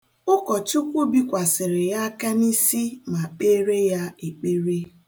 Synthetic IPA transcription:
ʊ˦kɔ˨t͡ʃʊ˦kʷu˦bi˦kʷa˨sɪ˨ɾɪ˨ja˦ka˦ni˦si˦ma˨k͡pe˦ɾe˦ja˦e˨k͡pe˦ɾe˦

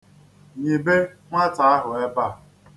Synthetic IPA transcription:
ɲe˨be˦ | ŋʷa˦ta˨a˦ɦʊ˨e˦ba˦˨

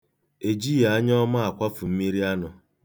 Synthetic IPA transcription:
e˨d͡ʒi˦a˨a˦ɲ˦ɔ˦ma˦a˨kʷa˦fʊ˨m̩˦mi˦ɾi˦a˦nʊ˨

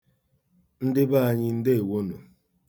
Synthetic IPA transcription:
n̩˦dɪ˦ba˦a˦ɲɪ˦n̩˦de˦e˨wo˦no˨

